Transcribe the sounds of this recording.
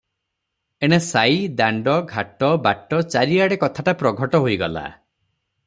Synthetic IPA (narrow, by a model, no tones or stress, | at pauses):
eɽ̃esajd̪aɳɖɔɡʱaʈɔbaʈɔt͡ʃaɾiaɽekɔt̪ʰaʈapɾɔɡʱɔʈɔɦoiɡɔ̰la̰